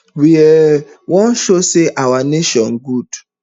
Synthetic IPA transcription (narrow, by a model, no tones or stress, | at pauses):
wie | wɔ̃nʃoseʔawaneʃɔn̩ɡud̥